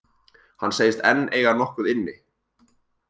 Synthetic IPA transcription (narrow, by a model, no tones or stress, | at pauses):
hanːseːjɪst̪ɛnːeːjɣanɔhkʏðɪnːɪ